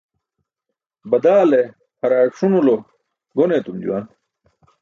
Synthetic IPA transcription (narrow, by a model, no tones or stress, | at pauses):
bɐd̪aːle | hɐɾaːkʂunulo | ɡoneːt̪umd͡ʑṵwa̰ːn